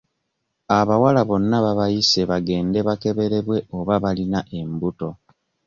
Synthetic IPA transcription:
aβawalaβo̞nːaβaβajiseβaɡe̞ːnde̞βake̞βe̞ɾe̞βwe̞o̞βaβalinaʔe̞mbuto̞

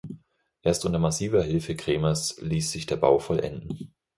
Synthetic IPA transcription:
ʔeːɐstʔʊntɐmasiːvɐɦɪlfəkʁ̥eːmɐsliːsz̥ɪçd̥eːɐba̰ʊfɔlʔɛ̰ndn̩

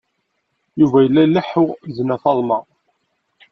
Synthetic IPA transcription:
juvæjəlːælːəħʊʁznæθɑlˤmɑ

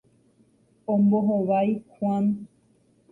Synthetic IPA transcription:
õmboɦoʋajkwʷan

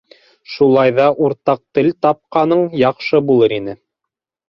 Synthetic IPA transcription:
ʃulˠɑjðɑʔuɾt̪ɑq̚t̪ɘlt̪ɑp̚qɑnɤɴjɑqʃɤbulˠɤɾinɘ

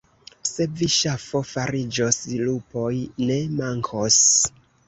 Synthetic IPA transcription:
se̞viʃafo̞faɾid͡ʒoslupo̞jne̞maŋkʰos

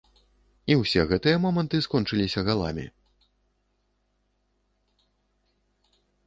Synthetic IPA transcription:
iwsʲɛɣɛt̪ɨjɐmɔmɐnt̪ɨskɔnt͡ʂɨlʲisʲɐɣalˠa̰mʲḭ

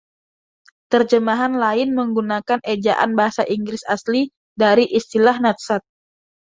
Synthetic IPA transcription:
t̪ərd͡ʒəmaɦanlaɪnməŋɡunakanʔed͡ʒa̰ʔa̰nbaɦasaʔiŋɡɾɪsasli | daɾiʔist̪ilahnat̪̚sat̪̚

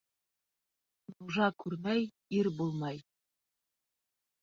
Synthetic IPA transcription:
nuʒɑkʉɾmæj | iɾbulˠmɑj

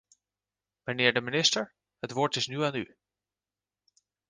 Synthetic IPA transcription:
mənɪːɹdəminɪstəɹ | ɦətʋʊːɹtɪsnyaːny

